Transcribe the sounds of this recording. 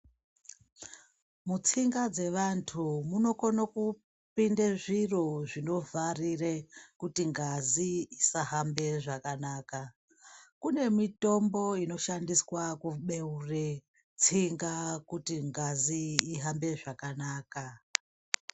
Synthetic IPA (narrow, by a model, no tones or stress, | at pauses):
mut͡siŋɡad͡ze̞ʋantʰumuno̞konoku | pindeʐiro̞ʐino̞vʱarirekutiŋɡaziisaɦambe̞ʐakanaːka | kune̞mito̞mbo̞ino̞ʃandiswakuɓe̞ure | t͡siŋɡakutiŋɡaziːɦambe̞ʐakanaːka